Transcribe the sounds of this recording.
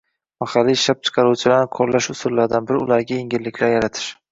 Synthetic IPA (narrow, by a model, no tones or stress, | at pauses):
maχɑlːiʃap̚t͡ʃʰɨ̥qʰɑɾuwt͡ʃʰɪlaɾnɪqʰoɾlaʃʊsʊlːaɾd̪anbɪɾɪʊlaɾɡʲajeŋɡʲɪlːɪkʲʰlaɾjaɾat̪ʰɪ̥ʃ